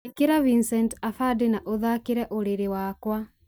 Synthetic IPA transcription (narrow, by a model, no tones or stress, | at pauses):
ekeɾavinsɛntafadenaʔoðakeɾɛʔoɾeɾewakwa